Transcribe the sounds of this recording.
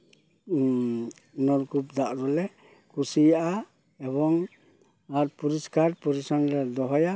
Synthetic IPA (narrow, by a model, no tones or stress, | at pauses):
nɔɾkupd̪aʔɾɔlɛ | kusijaʔa | ebɔŋ | aɾpuɾiskaɾpɔɾisɔnɾɛd̪ɔɦɔja